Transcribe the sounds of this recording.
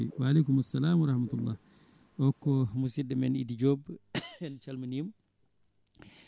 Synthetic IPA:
iwaːleːkumasːɐlaːmwɐɾɐhmat̪ulːa̰ːh | ʔɔkːɔmusidɐmɛnḭdiɟɔːbɛnt͡ʃɐlmɐnim

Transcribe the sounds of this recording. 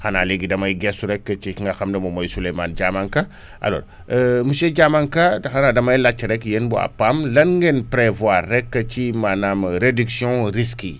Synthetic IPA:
xanaleɡidɐmajɡesuɾɛkːət͡ʃiŋɡaxamdɐmɐmojsulemand͡ʒamaŋka | ʔa̰lo̰ːɾ | mused͡ʒamaŋkadxanadɐmajlat͡ʃːɾɛkjenbua̰pamlɐnŋɡenpɾevwaɾːɛkːət͡ʃimanamɾediksjɔ̃ɾiski

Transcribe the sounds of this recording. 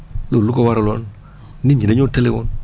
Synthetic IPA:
lolukowaɾalon | niɲineɲotelewon

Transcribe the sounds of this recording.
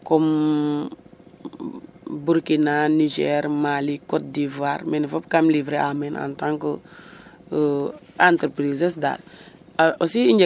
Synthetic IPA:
kɔm | buɾkinanid͡ʒɛɾmalikɔt̚divuaːɾmɛnfɔp̚kamlivɾeʔamɛna̰ntãŋkə | antəɾpɾizəsda̰l | osiiɲd͡ʒɛ

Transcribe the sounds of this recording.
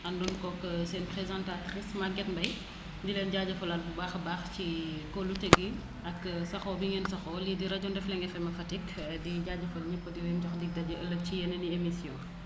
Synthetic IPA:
ʔɐndunkɔkːsɛːnpɾezãntatɾismaɡɛtbɐj | dilɛːnɟaːɟɐfɐlat̚bubaːxbaːxcikoluteɡi | ʔɐkːsɐxɔbiŋɛnsɐxɔlidiɾɐɟɔndɛflɛŋɡɛfɛmɐfɐtikdiɟaɟɐfɐlɲɐpːədiwɛmtɔxdiɡ̚dɐɟɐʔəlːɐcijɛnɐniemisjɔ̃ː

